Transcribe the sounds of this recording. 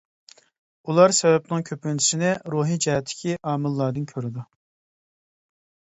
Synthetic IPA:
ulˠɑɾsɛvɛpnɨŋkʲʰøpynʰi̥ʃinɪɾuːɦid͡ʒɛɦɛt̪ʰːɪ̥kʲʰiʔɑːmɨlˠːɑɾd̪ɨnkʲʰøɾɪd̪u

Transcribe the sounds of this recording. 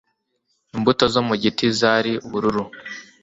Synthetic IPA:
imbuto̞zo̞muɟitizaːɾiuβuɾuɾu

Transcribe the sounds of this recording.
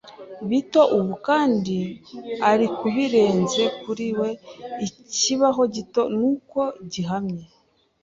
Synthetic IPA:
βito̞ʔuβukaːndiaɾikuβiɾe̞ːnze̞kuɾiwe̞iciβaɦo̞ɟito̞nuːko̞ɟiɦamɲe

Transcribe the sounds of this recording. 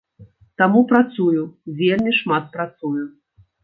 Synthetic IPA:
t̪amupɾat̪sujuvʲelʲmʲiʂmat̪̚pɾat̪suju

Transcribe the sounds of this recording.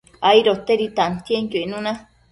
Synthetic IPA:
aiɾot̪eɾit̪ant̪ieŋkoinũnã

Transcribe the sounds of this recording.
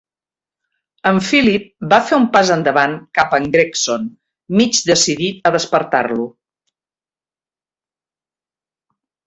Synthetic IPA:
əɱfilip̚bafeumpazənd̪əβaŋkapəŋɡɾekson | mid͡ʒd̪əsiðit̪əðəspəɾt̪a̰rlu

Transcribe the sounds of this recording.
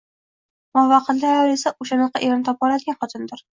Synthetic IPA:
mɒvɑqʰɨnd̪ajɾesaʔʊʃanɑqɑʔeɾnɪt̪ʰɒp̚bɒlˠad̪ɪɡʲanχɒt̪ʰɪnd̪ɪɾ

